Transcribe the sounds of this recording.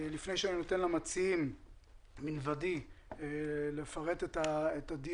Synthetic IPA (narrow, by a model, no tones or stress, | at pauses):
lifne̞jʃeaninot̪enlamat͡siim | minvadi | le̞faʁe̞t̪etaet̪ad̪i